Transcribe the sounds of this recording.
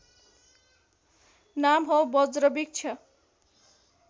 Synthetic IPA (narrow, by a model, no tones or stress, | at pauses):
namɦʌwbʌd͡zɾʌbik̚t͡ʃʰʌ